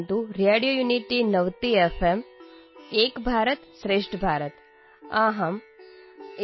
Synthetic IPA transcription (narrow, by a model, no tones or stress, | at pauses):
nt̪uɾeːɖijoːjuːniʈinɐʋt̪iefʰem | eːkbʱaːɾət̪sɾeːʂʈbʱaːɾət̪ | aːɦɐm